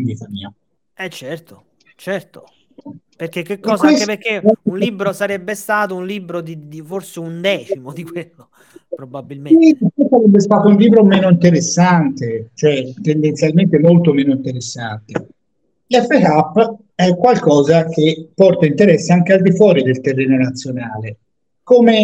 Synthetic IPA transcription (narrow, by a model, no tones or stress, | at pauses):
nviːt̪amḭːa | ɛt͡ʃːɛrt̪o̥ | t͡ʃɛrt̪o̥ | perkekːekːɔːsesekːeɛunliːbɾosaɾɛbːest̪aːt̪ounliːbɾod̪id̪iforseund̪ɛːt͡ʃimod̪ikwelːo | pɾobabːilmesikesaɾɛbːest̪aːt̪ounliːbɾomɛːnoint̪eɾesːant̪et͡ʃoɛt̪ːend̪ent̪sjalment̪emolt̪omɛːnoint̪eɾesːa̰nt̪e | lɛfːekapː | ɛkːwalkɔːzak̟epːɔrt̪aint̪eɾɛsːeaŋk̟eald̪ifwɔːɾid̪elt̪erːɛːnonat̪sːjonaːle | koːme